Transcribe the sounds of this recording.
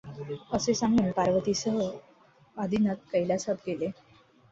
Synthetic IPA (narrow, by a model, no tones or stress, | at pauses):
əsesãŋɡiːnpaɾʋət̪isəɦə | ad̪ʱinət̪̚kəjlasət̪kele